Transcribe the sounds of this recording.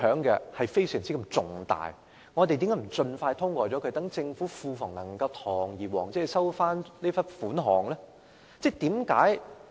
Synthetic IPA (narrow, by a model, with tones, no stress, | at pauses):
œː˨˥ŋkɛ̰˧hɐ˨jfe˥jsœː˨˩ŋt͡siː˥kɐ˧mt͡sʊ˨˧ŋt̪a̰ː˨j | ŋɔː˨˧t̪e˨jt̪iː˨˦˥kːaː˨˥m̩˨˩t͡sɵ˧nfaː˧jt̪ʰʊ˥ŋkʷɔː˧t͡sɔː˨˥kʰɵ˨˧˥t̪ɐ˨˥ŋt͡sɪ˧ŋfuː˨˥fuː˧fʊ˨˩ŋnɐ˨˩ŋkɐ˧wt̪ʰɔː˨˩ŋjiː˨˩wɔː˨˩ŋt͡sɛː˨˥˨sɐ˥wfaː˥nne˥fɐ˥nfuː˨˥nɦɔː˨˩ŋlɛː˥ | t͡sɛː˥˩t̪iː˨˥mkaː˨˥j